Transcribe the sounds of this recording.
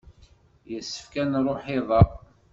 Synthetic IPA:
jəsːə̥fkænrˤoħɪðˤɑ

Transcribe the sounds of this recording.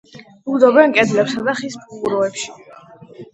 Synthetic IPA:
ud̪ɔbɛnkʼɛd̪lɛpsad̪aχispʰuɾɔɛpʃi̥

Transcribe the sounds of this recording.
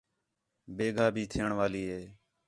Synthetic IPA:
beːɡʱaːbʱiːt̪ʰɪjəɳʋaːliːɦeː

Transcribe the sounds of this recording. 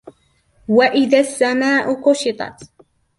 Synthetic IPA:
waʔɪðasːamaːʔʊqʊʃɪt̪ˤɑ̰t̪

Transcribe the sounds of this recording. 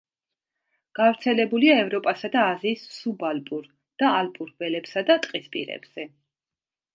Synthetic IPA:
ɡ̥avɾt̪sʰɛlɛbuliaɛvɾɔpʼasad̪aːziːsːubalpʼuɾ | d̪̥aalpʼuɾvɛlɛbsad̪at̪ʼqʼispʼḭɾɛ̰bz̥ɛ

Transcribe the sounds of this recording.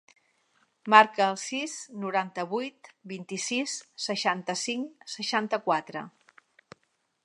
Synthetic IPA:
maɾkəːlˠsisnuɾant̪əβujt̪bint̪isisːəʃant̪əsiŋsəʃant̪əkwat̪ɾə

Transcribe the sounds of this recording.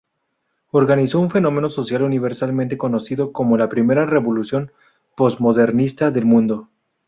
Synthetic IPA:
o̞ɾɣaniso̞unfe̞nõ̞me̞no̞so̞sjaluniβ̞e̞ɾsalmẽnt̪e̞ko̞no̞siðo̞ko̞mo̞lapɾime̞ɾare̞βo̞lusjo̞n | po̞zmo̞ðe̞ɾnist̪aðe̞lmũnd̪o̞

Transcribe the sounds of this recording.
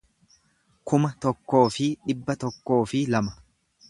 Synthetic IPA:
kʊmɐt̪ɔkːo̞ːfɪᶑɪbːɐt̪ɔkːo̞ːfɪlɐmɐ̥

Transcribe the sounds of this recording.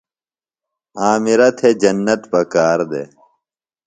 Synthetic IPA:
aːmiɾɐt̪ʰed͡ʑɐnːɐt̪pɐkaːɾd̪ḛ

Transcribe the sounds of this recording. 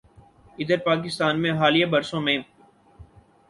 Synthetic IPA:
ɪd̪əɾpaːk̬ɪst̪aːnmẽɦaːlijabəɾsõːmẽː

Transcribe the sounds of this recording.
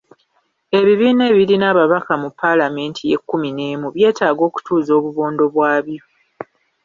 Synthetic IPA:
e̞βiβiːne̞ːβiɾinaːβaβakamupːalame̞ːntʰije̞̰kːumine̞ːmuβje̞ːtaːɡo̞ːku̥tuːzo̞ːβuβoːndo̞βwaːβjo̞

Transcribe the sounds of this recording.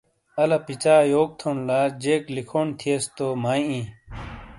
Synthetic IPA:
ɐlɐpit͡ɕaːjoːk̚t̪ʰonlaːd͡ʑeːklikʰoːnt̪ʰiest̪oːmaːĩĩː

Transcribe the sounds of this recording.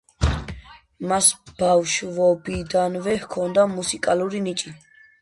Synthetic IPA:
masb̥awʃvɔbid̪anvɛhkʰɔnd̪amusikʼaluɾinit͡ʃʼi

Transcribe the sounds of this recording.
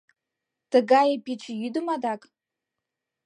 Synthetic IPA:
d̥ɨɡajapʰiʈ͡ʂʰjidumadakʼ

